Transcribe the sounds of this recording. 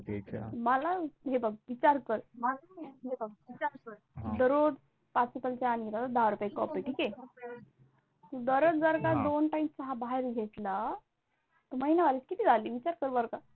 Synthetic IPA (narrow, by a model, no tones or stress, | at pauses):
məlaɦebəɡ̚ʋit͡ɕaɾkəɾ | ebiakɾd̪əɾod̪ | pat͡supəlt͡ɕeanɡit̪at̪ad̪aɦaɾupjekɔpəʈʰike | t̪ud̪əɾət͡sd͡zəɾɡad̪onʈaimt͡saɦabaɦeɾɡʱeʈ̪la | t̪əməɦinaʋaɾit͡skit̪iːd͡zaliːʋit͡ɕaɾkəɾbəɾka